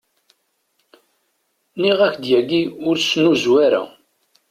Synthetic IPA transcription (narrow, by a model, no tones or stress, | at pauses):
niʁæçd̪jæɡiʊɾsnuzwæɾæ̰